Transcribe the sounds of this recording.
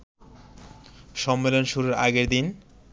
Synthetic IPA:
ʃɔmːelonʃuɾeɾa̰ɡeɾd̪in

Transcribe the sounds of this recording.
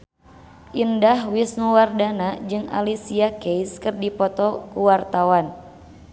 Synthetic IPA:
ʔindahwisnuwardanad͡ʒɨŋa̰lisiakɛjskɨrdipɔt̪ɔkuwart̪awan

